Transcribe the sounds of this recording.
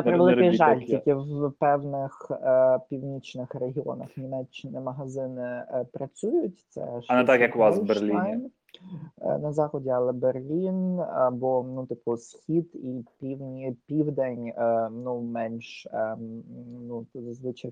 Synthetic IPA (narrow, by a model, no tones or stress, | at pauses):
ɐp̪ɾɪʋlˠɪiʒɑlʲt̪ʲikʲɪwpɛwnɪxpʲiwnʲit͡ʃnɪxreɦʲiɔ̰nɐ̰xnʲimɛt͡ʃːɪnɪmɐɦɐzɪnɪpɾɐt͡sʲujʊtʲt̪sɛ̰ʃɐnɛt̪ɑkjɐkʋɑsberlʲiajn̰ | nɐzɑxɔdʲiɐlˠɛberlʲinɐbɔnut̪ɪpʊsxʲid̪ipʲiwnʲipʲiwd̪enʲnumɛnʲʃ | nut̪zɐzʋɪt͡ʃɐj